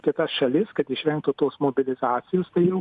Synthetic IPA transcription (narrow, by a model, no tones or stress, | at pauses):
kʲɪt̪ɐsʃɐlʲɪskɐt̪ɪʃʲʋʲɛŋk̚t̪ut̪oːsmoːbʲɪlʲɪzɑːt̪sʲɪjoːst̪ɐɪjɛʊ